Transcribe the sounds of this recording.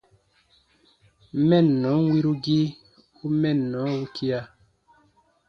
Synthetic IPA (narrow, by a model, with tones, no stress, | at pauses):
mɛ˦˨n˨nɔ˨˦ŋ˦wi˦ɾu˦ɡi˦ | u˦mɛ˦˨n˨nɔ˨˦u˦kʰi˦a˦